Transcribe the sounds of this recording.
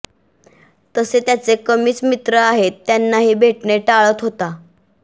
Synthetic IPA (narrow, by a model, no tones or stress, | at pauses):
t̪əset̪jat͡sekəmiːt͡smit̪ɾəaɦet̪ːjanːaɦiːbʱeʈɳeʈaɭət̪ɦot̪a